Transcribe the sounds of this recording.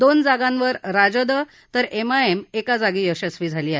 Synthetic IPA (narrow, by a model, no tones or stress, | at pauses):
d̪ond͡zaɡãnʋəɾɾad͡ʑəd̪ə | t̪əɾemaemekad͡zaɡiːəɕəsʋiːd͡zʱaliːaɦe